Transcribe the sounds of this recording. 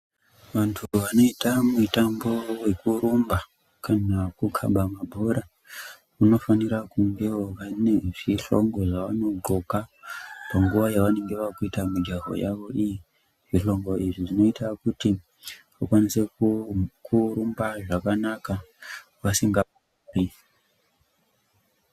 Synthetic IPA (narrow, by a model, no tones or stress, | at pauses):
ʋantʰuʋano̞itamutambo̞we̞kuɾumba | kanakukʰa̰mbʱamabʱoɾa | uno̞faniɾakuŋɡe̞ʋaneʐiɬo̞̰ŋɡo̞ʐaʋano̞ɡo̞kapaŋɡuʋajaʋane̞ŋɡe̞ʋakuitamid͡ʒaɦo̰jaʋo̞ʔiji | ʐiɬo̞ŋɡo̞iʐiʐino̞itakuti | ʋakwanise | kʰuɾumbaʐakanaka | ʋasiŋɡa | uri